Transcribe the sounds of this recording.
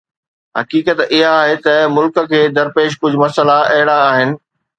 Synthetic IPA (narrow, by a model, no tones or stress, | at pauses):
ɦɐ̰kiːkət̪ɪɦaːɦet̪ɐmʊlkə̆kʰeːd̪ɐɾpeːʃ̬kʊd͡ʑʱmɐsəlaʔɐɦɪɽaːɦɪnɪ̆